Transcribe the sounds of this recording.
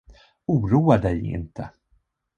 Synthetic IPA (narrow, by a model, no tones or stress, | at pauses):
uːɾuːad̪ɛjɪ̰nt̪ʰə̰